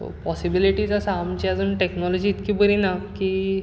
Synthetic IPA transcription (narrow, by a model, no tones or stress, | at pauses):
t̪o̰pɔsibiliʈiːd͡zasaamt͡ɕiad͡zuːɳʈeknɔlɔd͡ʑiːt̪kiːbəɾinaki